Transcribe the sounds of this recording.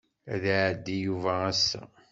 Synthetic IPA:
æðaʕəd̪ːijuvææsːæ̰

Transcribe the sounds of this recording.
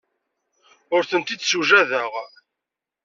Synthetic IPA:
ʊɾθənt̪id̪suʒæðəʁ

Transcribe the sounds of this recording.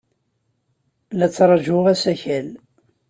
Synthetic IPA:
læt͡sːɾˤɑʒʊʁæsæçæl

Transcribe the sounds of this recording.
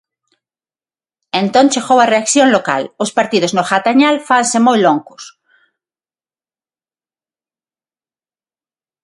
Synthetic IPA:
ẽnt̪õnt͡ʃexowareakθjonloka̰lospaɾt̪iðoznoxat̪aɲalfansemojloŋkos

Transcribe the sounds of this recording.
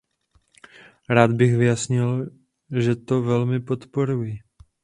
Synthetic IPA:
ɾaːd̪bɪɣvɪjasɲɪl | ʒɛt̪o̞vɛlmɪpo̞t̪po̞ɾuji

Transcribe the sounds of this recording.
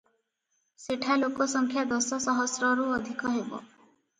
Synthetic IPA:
seʈʰalokɔsɔŋkʰjad̪ɔsɔsɔɦɔsɾɔɾuɔd̪ʱikɔɦebɔ̰

